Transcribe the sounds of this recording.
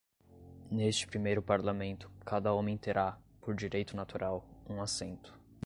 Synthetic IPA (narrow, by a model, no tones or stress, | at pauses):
nest͡ʃɪ̥pɾimejɾʊpaɾlamẽnt̪ʊ̥kad̪ɐõmẽt̪eɾʔa | poɾd͡ʒiɾejt̪ʊnat̪uɾʔawũasẽnt̪ʊ̥